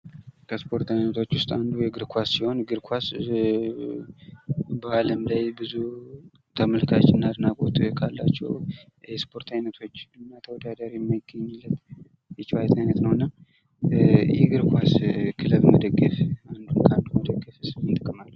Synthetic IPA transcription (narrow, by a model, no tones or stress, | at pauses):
kʰəspʰo̞ɾt̪ʰajnət̪ʰo̞t͡ʃːwʊst̪ʼand̪ujɛɡɨɾkʰasːiho̞nɡɨɾkʰwas | bəaləmlajbɨzu | t̪ʰəməlkʰat͡ʃːɨnːad̪ɨnakʼot̪kʰalːa̰t͡ʃːɛ̰w | jɛspʰo̞ɾt̪ʰajnət̪ʰo̞t͡ʃːɨnːat̪ʰəwɔd̪ad̪əɾjɛmːajɪɡ̥əɲːɨlːət̪ | jɛt͡ʃːɪwajt̪ʰajnət̪nəwɨnːa | jɛɡɨɾkʰwaskʰɨləβməd̪əɡːəfand̪uŋkʰand̪uməd̪əɡːəfɨsʼmɨt̪ʼɨkʼːɨmalː